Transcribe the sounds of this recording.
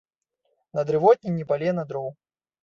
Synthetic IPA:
nɐd̪ɾɨvɔt̪̚ʲnʲinʲipalʲɛnɐd̪ɾɔw

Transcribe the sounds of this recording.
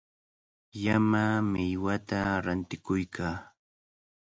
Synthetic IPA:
jamamɪjwat̪aɾant̪ɪkʊjkʰaː

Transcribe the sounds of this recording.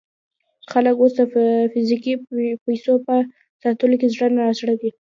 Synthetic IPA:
xaləkosd̪əfɪzikipajsopə | sɑt̪əlokezɽənaasɽad̪i

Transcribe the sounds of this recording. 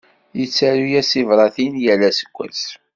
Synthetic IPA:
jət͡sːæɾujæsivɾˤɑθinjælːæsə̥kʷːæ̰s

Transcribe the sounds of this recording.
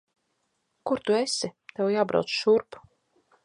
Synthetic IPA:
kuɾt̪uesit̪ewjaːbɾa̰wt̪sʃuɾpu̥

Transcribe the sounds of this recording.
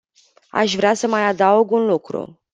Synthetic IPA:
a̰ʃvɾeasəmajad̪auɡunlukɾṵ

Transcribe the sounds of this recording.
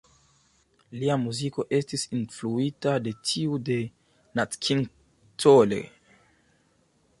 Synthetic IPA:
liamuziko̞ʔe̞stisinfluitade̞tʰiude̞ | natkʰiŋ | tʰolḛ

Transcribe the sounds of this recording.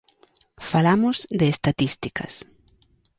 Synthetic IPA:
falamʊzd̪eːst̪at̪ist̪ikɐ̰s

